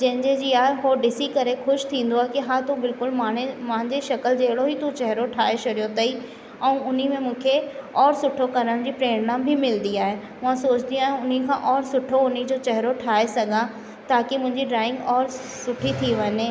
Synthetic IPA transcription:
d͡ʑɐ̃ɦɪ̃ɲd͡ʑed͡ʑiːaːɦeɦoɖɪsikɐɾexʊʃt̪ʰĩːn̆d̪oaːɦekiɦaːt̪ubɪlkʊlmaːɳemãɪ̃ɲd͡ʑeʃɐkəld͡ʑeːɪɽoɦit̪ũt͡ɕɐɦɾoʈʰaːɦeʃɐɾijot̪ɐi | ɛ̃ːʊn̤imẽmũːkʰeɔːɾsʊʈʰokɐɾəɽ̃d͡ʑiːpɾeːɽ̃nãmbʱɪmɪld̪iaːɦe | mʊ̃ãsoːt͡ɕt̪ʰijũãʊn̤ikʰãːʔɔːɾsʊʈʰoʊnid͡ʑoːt͡ɕɛɦɾoʈʰaːesɐɡʱã | t̪aːkimʊ̃ɦɪ̃ɲd͡ʑiɖɾaːɪ̃ŋɡɔːɾ | sʊʈʰit̪ʰiʋɐɲeː

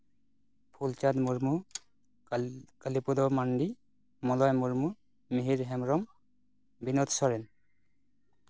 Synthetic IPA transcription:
pʰult͡ʃad̪muɾmu | kalipud̪ɔmaɳɖi | mɔlɔjmuɹmu | miɦiɾɦɛmɹɔm | binɔt̪sɔɾɛn

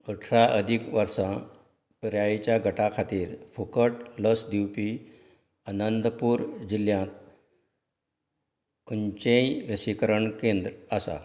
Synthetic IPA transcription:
əʈʰɾaʔəd̪ʱikʋəɾsã | pɾjajet͡ɕjaɡʱəʈakʰat̪iːɾfukəʈləsd̪iwpi | ənənd̪əpuːɾd͡ʑiljãt̪ | kunt͡ɕẽjɾəsikəɾəɳkẽnd̪ɾasa̰

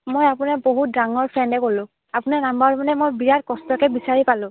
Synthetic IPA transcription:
mojapunaboɦut̚daŋɔɹpʰɹɛndɛkolʊ̃ | apunanambaɹmanɛmojbiɹatkɔstɔkɛbisaɹipalʊ̃

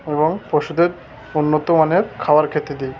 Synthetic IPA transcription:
eboŋpɾoʃud̪eɾ | unːot̪omaneɾkʰaaɾkʰet̪ed̪i

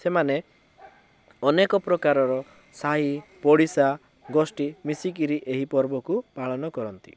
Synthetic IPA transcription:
semane | ɔnekɔpɾɔkaɾɔɾɔ | saɦipɔɽisa | ɡɔsʈimisikiɾiʔeɦipɔɾbɔkupaɭɔnɔkɔɾɔnt̪ḭ

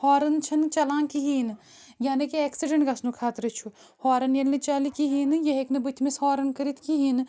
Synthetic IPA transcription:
hɔːɾɐnt͡ʃʰɐnt͡ʃɐlaːnkiɦiːn | janɐkieːksiɖɐɳʈɡɐsnukʰaːt̪ɾɨt͡ʃʰu | hɔːɾɐnjɐnːɨt͡ʃɐlikiɦiːnjɐɦeknɨbɨt̪ʰmishɔːɾɐnkɐɾit̪ʰkiɦiːn

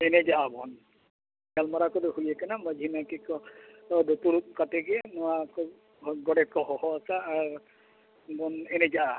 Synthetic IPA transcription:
ened͡ʒabʱɔn | ɡalmaɾakɔdeɦujekanamad͡ʒʱinakikɔ | d̪ot̪uɽukateɡenɔwakɔ | ɡɔɽet̚kɔɦɔhɔasaːɾ | bɔnened͡ʒa

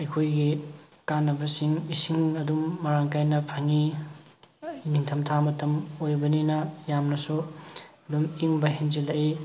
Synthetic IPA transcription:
ɐjkʰojɡikanːɐbɐsiŋisiŋɐdumːɐɾaŋkajnɐpʰaŋi | niŋtʰɐmtʰamɐtʰɐmojbɐninɐjamnɐsuɐdumiŋbɐɦinzilɐʔi

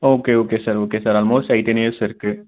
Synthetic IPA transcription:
oːkeoːkesəɾoːkesəɾɔːlmoːsʈait̪eneesɐɾke

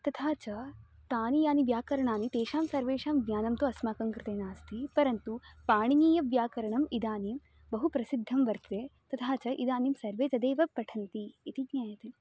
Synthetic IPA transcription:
t̪ɐt̪ʰaːt͡ʃɐ | t̪aːnijaːniʋjaːkɐɾɐɳaːnit̪eːʃaːmsɐɾʋeːʃaːmɡɲaːnɐmt̪uɐsmaːkɐŋkɾɪt̪eːnaːst̪ʰipɐɾɐnt̪upaːɳiniːjɐʋjaːkɐɾɐɳɐmid̪aːnim | bɐɦupɾɐsid̪ʱːɐmʋɐɾt̪ʋet̪ɐt̪ʰaːt͡ʃɐʔid̪aːnimsɐɾʋeːt͡ʃ̪ɐd̪eːʋɐpɾɐʈʰɐnt̪iːt̪iɡɲaːjɐt̪i

